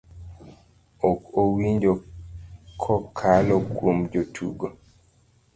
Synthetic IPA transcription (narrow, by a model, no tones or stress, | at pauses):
okowiɲd͡ʒo | kʰɔkʰalɔkʰomd͡ʒotʰṵɡo